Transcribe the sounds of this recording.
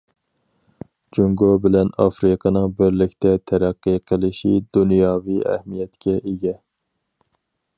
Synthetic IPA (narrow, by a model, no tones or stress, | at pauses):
d͡ʒuŋɡobɪlɛnɑfɾɨqʰɑnɨŋbɪɾlɪkʲt̪ʰɛt̪ʰɛɾɛqːɨqʰəlˠɪʃid̪unjɑːviɛ̰hmijɛt̪kʲʰɛʔeɡʲɛ